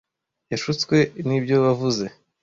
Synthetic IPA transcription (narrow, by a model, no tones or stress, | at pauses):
jaʃut͡skwe̞nibɟo̞βavuze̞